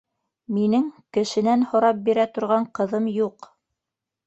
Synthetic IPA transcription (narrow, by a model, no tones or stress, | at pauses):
minɘŋkɘ̆ʃɘ̆nænhŏɾɑp̚biɾæt̪ŏɾʁɑɴqɤ̆ðɤmjuq